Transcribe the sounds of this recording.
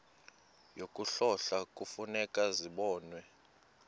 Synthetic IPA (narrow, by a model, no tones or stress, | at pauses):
jokʼuɬɔɬakʼufunɛkʼaziɓɔːnwɛ